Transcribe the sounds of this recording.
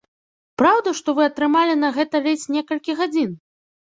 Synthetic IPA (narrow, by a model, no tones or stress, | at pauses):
pɾawd̪ɐʂt̪ɔvɨɐt̪ɾɨmalʲinɐɣɛt̪ɐlʲɛt͡sʲnʲɛkɐlʲkʲiɣad͡zʲin